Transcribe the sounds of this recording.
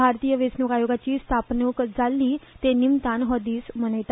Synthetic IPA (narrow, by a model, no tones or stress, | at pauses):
bʱaɾt̪ijəʋesnukajoɡat͡ɕiːst̪ʰapnəkd͡zalːiːt̪enimt̪anɦɔd̪iːsmənəjt̪a